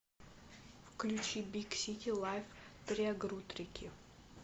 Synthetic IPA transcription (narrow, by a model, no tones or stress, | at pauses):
fklʲut͡ɕibʲiksʲit̪ʲʰilˠajft̪ɾʲɪɐɡɾut̪ɾʲɪkʲʰɪ